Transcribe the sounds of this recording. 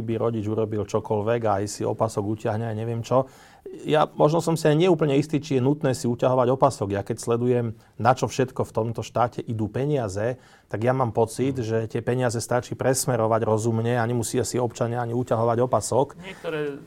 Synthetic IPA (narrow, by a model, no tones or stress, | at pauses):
ibiɾɔɟid͡ʒuɾɔbilt͡ʃɔkɔlʋɛɡaajsiɔ̰pasɔɡucɪaɦɲajɲɛʋɪɛmt͡ʃɔ | jamɔʒnɔsɔmsiajɲɪɛuːp̬əɲɛist̪iːt͡ʃijɛnut̪nɛːsiucaɦɔʋaɟɔpasɔɡjakɛcslɛd̪ujɛm | nat͡ʃɔfʃɛt̪kɔft̪ɔmt̪ɔʃt̪aːcɛʔid̪uːpɛɲiɪazɛ | t̪aɡjamaːmpɔt͡sid̪ʒɛt̪ɪɛpɛɲɪazɛst̪at͡ʃiːpɾɛsmɛɾɔʋaɟɾɔzumɲɛaɲɛmusiasiɔpt͡ʃaɲɪaaɲiucaɦɔʋaɟɔpasɔkɛkt̪ɔɾɛ